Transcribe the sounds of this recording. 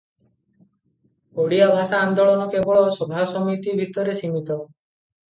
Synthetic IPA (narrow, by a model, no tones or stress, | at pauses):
oɽiabʱasaːnd̪oɭɔnɔkebɔɭɔsobʱasɔmit̪ibʱit̪ɔɾesimit̪ɔ